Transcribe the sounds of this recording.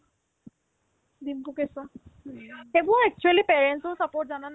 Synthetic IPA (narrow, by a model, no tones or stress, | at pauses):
d̪imkukesɔ̃ | ebɔɛk̚t͡ʃualipeɹɛnsɔsapɔʈ̚zanan